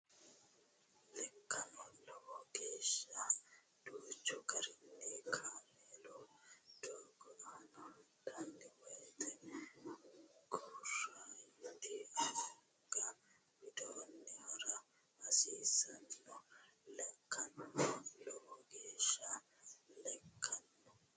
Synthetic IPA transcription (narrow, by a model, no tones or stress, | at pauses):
lɛkːɐnɔlɔwɔɡeːʃːɐ | d̪̥uːt͡ʃːɔɡɐɾɪnːekʰaːmeːlɔd̪̥oːɡɔʔanɐd̪ɐnːɪwɐjt̪ɛ | ɡuːrːaɪd̪iɐɐ | ɡɐ | wɪd̪oːnːɛwɐɾɐ | ɐsiːsɐnːɔlɛkːɐnɔlɔʔɔɡeːʃːɐ | lɛkʰːɐnːɔ